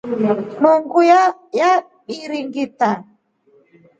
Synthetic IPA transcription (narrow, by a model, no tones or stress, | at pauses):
muŋɡujja | ɓiɾiŋɡita